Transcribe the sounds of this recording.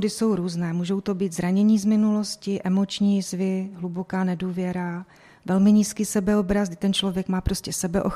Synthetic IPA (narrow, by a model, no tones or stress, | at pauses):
dɪso̞wɾuːznɛːmuːʒo̞wt̪o̞biːt̪zɾaɲɛɲiːzmɪnulo̞scɪʔɛmo̞t͡ʃɲiːzvɪɦlubo̞kaːnɛduːvjɛɾa | vɛlmɪɲiːskiːsɛbɛo̞bɾazɡdɪt̪ɛnt͡ʃlo̞vjɛkmaːpɾo̞scɛsɛbɛʔox